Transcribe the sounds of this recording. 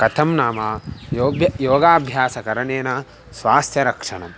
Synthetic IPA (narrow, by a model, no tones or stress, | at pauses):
kɐt̪ʰɐmnaːmaːjoːbjɐjoːɡaːbʱjaːsɐkɐɾɐɳeːnɐ | sʋaːst̪ʰjɐɾɐkʂɐɳɐm